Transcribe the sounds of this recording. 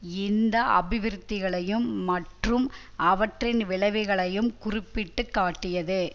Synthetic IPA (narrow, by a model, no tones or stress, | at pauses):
ɪnd̪ɐʔɐ̰bɪʋɪɾt̪ːɪɣɐɭɐjɯmːɐʈrɯm | ɐʋɐʈrɪnʋɪɭɐʋɪɣɐɭɐjɯmkʊrɪpːɪʈːɯkːaːʈːɪjɐðɯ